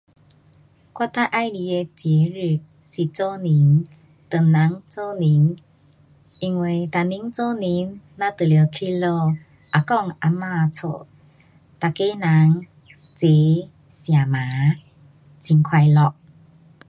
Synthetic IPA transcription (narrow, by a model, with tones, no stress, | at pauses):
kwa˥˨t̪a˥˧ʔa˥˧˨jli˧˨e˧t͡ɕje˨˧˦ɾɯ˧˩ | si˨t͡so˦˧˨ni˨˧˦ŋ | t̪ə˨ŋna˨˦ŋt͡so˥˧˨ni˧˦ŋ | ʔi˧ŋwe˧˩jt̪a˨ni˨˦ŋt͡so˥˦˨ni˧˦nna˧t̪ə˨le˨˧kʰi˥˧˨lo˧˨ | ʔa˨kɔ˧˨ŋʔa˧ma˧t͡sʰo̰˨ | t̪a˨ke˦na˧˦ŋ | t͡se˨˦ | sja˨˩ma˨˦ | t͡si˧ŋkʰwa˧jlɔ˧˨ʔ̚